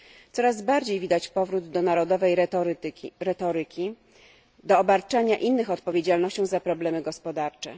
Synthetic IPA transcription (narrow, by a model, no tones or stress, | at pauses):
t̪sɔɾazbaɾd͡ʑejvʲid̪at͡ɕpɔvɾud̪ːɔnaɾɔd̪ɔvɛjʲ | ɾɛt̪ɔɾɘkʲi | d̪ɔːbaɾt͡ʂaɲaʔinːɘxɔt̪̚pɔvʲjed͡ʑalnɔɕt͡ɕɔ̃w̃zapɾɔblɛmɘɡɔspɔd̪aɾt͡ʂɛ̰